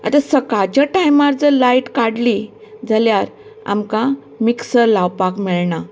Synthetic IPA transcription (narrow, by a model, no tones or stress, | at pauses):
a̰t̪asəkat͡ɕjaʈajmaɾd͡zəɾlaiʈkaɽli | d͡zʱaljaɾ | a̰mkã | miksəɾlawpakmiɭɳa